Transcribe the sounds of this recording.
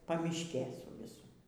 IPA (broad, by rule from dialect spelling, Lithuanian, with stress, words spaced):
pɐˈmʲɪʃʲkʲeː sʊ ˈʋʲɪsʊ